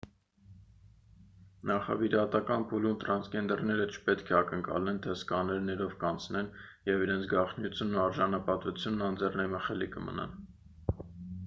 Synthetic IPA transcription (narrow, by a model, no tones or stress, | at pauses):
nɑχɑ̰viɾɑt̪ɑkɑnpʰulumt̪ɾɑnsɡɛnd̪ɛɾnɛɾət͡ʃʰə̥pɛt̪kʰɛɑkəŋkɑ̰lɛnt̪ʰɛskɑnɛɾnɛɾɔvkɑnt͡sʰnɛnjɛviɾɛnt͡sʰɡɑχnjut͡sʰjunːɑɾʒɑnɑpɑt̪ut͡sʰjunːɑnd͡zɛrnɛməχɛlikəmə̰nɑ̰n